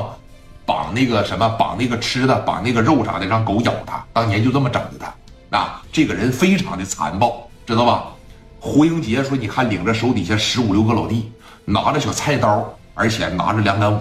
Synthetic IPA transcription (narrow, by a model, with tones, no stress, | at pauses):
pɑ̰˨˩ŋna˥˩ɡə˩ʂə˧˥nmə˧pɑ̰˨˩ŋna˥˩ɡə˩ʈ͡ʂʰɻ̩˥d̪ə˨pɑ̰˨˩na˥˩ɡə˩ɻo˥˩ʊʈ͡ʂʰɑ̰˨˩ŋd̪ə˧˩ʈ͡ʂɑ˥˩ŋko˧˥ʊjɑ̰˨˩ʊt̪ʰa̰˥t̪ɑ˥ŋt͡ɕ̪ʰɛ˧˥nt͡ɕo˥˧t͡sə˥˩mə˩ʈ͡ʂɑ̰˨˩ŋdə˧˥t̪ʰa̰˥ | a̰˧ʈ͡ʂɤ˥˩ɡə˩ɻə˧˥nfe˥ɪʈ͡ʂʰɑ˧˥ŋd̪ə˧t͡sʰa̰˧˥npɑ˥˩ʊʈ͡ʂɻ̩˥d̪ə˧mɐ˨˩ | xu˧˥ji˥ŋt͡ɕi˧˥jɛ˥˩ʂwɔ˥ni˨˩kʰa˥˩nli˨˩ŋʈ͡ʂə˦ʂo˧˥ʊt̪̬i˨˩ɕjɛ˥˩ʂɻ̩˧˥u˨˩ljo˥˧ʊə˥˧lɑ˨˩ʊt̪i˥˩ | na̰˧˥ʈ͡ʂə˧ɕjo˨˩t͡sʰa˥˩ɪt̪ɑ˥ | ə̰˞˧˥t͡ɕʰjɛ̰˨˩na̰˧˥ʈ͡ʂə˧˩ljɑ˧˥ŋna˧˥n˨˩